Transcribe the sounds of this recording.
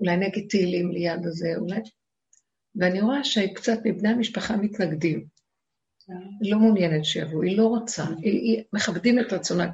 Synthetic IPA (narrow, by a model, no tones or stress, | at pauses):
ulajneɡed̚teilimlejadaze̞ulaj | veaniʁoaʃeikt͡satmibnejhamiʃpaχamitnaɡdim | lo̞munjene̞tʃeja̰voilo̞ʁot͡saiimeχabdimetʁat͡sona